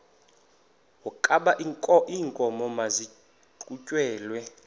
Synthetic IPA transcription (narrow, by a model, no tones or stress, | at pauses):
wɔkʼaɓaʔʼɔiːŋkʼɔmɔmazi | ǃʼucʼwɛːlwɛ